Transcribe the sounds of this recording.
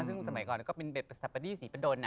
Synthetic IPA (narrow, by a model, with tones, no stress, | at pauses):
sɯ˥˩sa˧ma˨˩˦jkɔː˨˩nkɔː˥˩pe˧nbe˨˩p̚ːa˧sa˨˩p̚ːa˧diː˥˩siː˩˦pa˧doː˧nːa˦˧